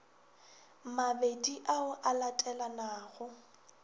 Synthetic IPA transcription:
mabediʔaʊʔalatʼɛlanaːɣʊ

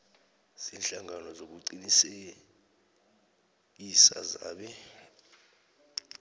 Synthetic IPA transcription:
z̥inɬaŋanɔzok̬uǀinise | k̬isa̰za̰ːɓɛ

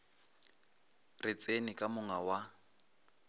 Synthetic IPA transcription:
rɪt͡sʼenikʼamʊŋawa

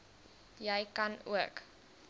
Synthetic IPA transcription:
jəjkɐnṵək

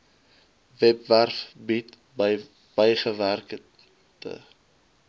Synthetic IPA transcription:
vɛpværfbit | b̥əjχəværk | tə̰

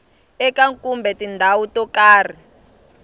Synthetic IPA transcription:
ɛkaŋkʼumbʱɛtindʱawutɔkaːri

